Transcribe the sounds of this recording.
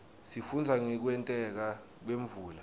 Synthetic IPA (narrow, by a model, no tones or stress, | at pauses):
sifund͡zʱaŋɛk̬wɛntʼɛk̬a | k̬weɱvuːla